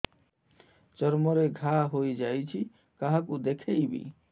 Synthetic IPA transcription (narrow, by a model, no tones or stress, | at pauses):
t͡ʃɔɾmɔɾeɡʱaɦojd͡ʒajt͡ʃʰi | kaɦakud̪ekʰejbḭ